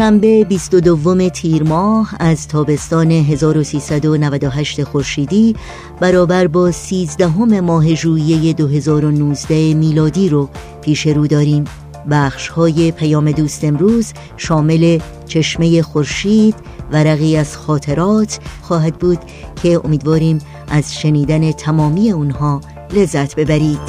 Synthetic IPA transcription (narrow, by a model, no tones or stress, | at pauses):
ʃæmbe̞bist̪od̪ovːo̞me̞t̪ʰiːɾmɒːhæzt̪ʰɒːbe̞st̪ɒːne̞ɦe̞zɒːɾosiːsæd̪o̞nævæd̪oɦæʃt̪e̞xo̞ɾʃiːd̪iː | b̥æɾɒːbæɾbɒːsiːzd̪æɦo̞me̞mɒːɦe̞ʒuːije̞je̞d̪oɦe̞zɒːɾo̞nuːzd̪æhemiːlɒːd̪iːɾo | pʰiːʃe̞ɾuːd̪ɒːɾiːm | bæːxʃhɒːje̞pʰæjɒːme̞d̪uːst̪e̞mɾuːz | ʃɒːme̞le̞ | t͡ʃʰe̞ʃme̞je̞xo̞ɾʃiːd̪̥ | væɾæɣiːæz̥xɒːt̪ʰe̞ɾɒːt̪ʰxɒːɦæd̪̚buːd̪̥ | cʰe̞o̞̰miːd̪vɒːɾiːm | ʔæzʃe̞niːd̪æne̞t̪ʰæmɒːmiːe̞unhɒː | le̞zːæt̪ʰbe̞bæɾiːd̪̥